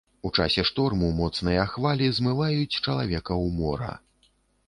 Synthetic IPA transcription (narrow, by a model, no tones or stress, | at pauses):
ut͡ʂa̰sʲɛʂt̪ɔrmumɔt̪snɐjaxvalʲizmɨvajut͡sʲt͡ʂɐlˠavʲɛkɐwmɔ̰ɾɐ̰